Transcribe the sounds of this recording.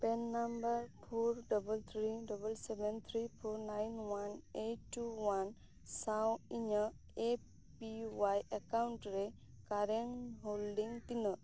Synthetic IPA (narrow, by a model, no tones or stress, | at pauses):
pɛnːambəɾpʰoɾɖɔbəlt̪ʰɾiɖɔbəlsebɛnt̪ʰɾipʰoɾnajnwaneʈʈːuwan | sawiɲə | e | piwajakawɳʈɾe | kaɾeŋɦolɖiŋt̪inə